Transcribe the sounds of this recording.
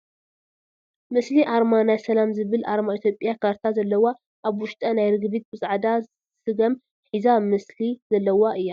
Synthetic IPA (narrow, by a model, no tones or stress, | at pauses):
mɨsliʔaɾmanajsɐlamzɨβɨlʔaɾmait̪ʰjo̞pʼjakʰaɾt̪ʰazɐlːɐwa | ʔaβwʊʃt̪ʼɐnajɾɨɡbit̪̚bɨsʼaʕd̪a | sɨɡɐm | ħizamɨsliz̥ɐlːɐwaʔɨjːa